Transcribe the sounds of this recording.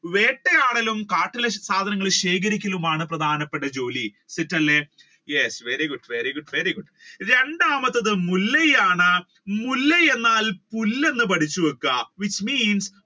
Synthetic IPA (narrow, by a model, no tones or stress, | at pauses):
ʋeːʈːejaːɽɐlumkaːʈːilɐsaːd̪ʱɐnɐŋːɐɭiɕeːk̬ɐɾikʲːɐlumaːɳɨprɐd̪ʱaːnɐpːeʈːɐd͡ʑo̞ːli | sitːɐlːe | jesʋeɾiɡuɖʋeɾiɡuɖʋeɾiɡuɖ | ɾe̞ɳɖaːmɐt̪ːɐðɨmulːɐjaːɳɨ | mulːɐje̞nːaːlpulːe̞nːɨp̬ɐʈʰit͡ɕːuʋɐkːɐʋit͡ɕːmiːns